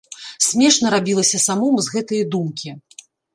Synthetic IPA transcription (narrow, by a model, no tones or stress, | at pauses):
sʲmʲɛʂnɐɾabʲilˠɐsʲɐsamɔmzɣɛt̪ɐjɐd̪umkʲi